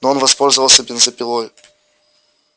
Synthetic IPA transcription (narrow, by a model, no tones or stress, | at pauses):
noonvɐspo̞lʲzəvəlˠsʲəbʲɪnzəpʲɪlˠojʊ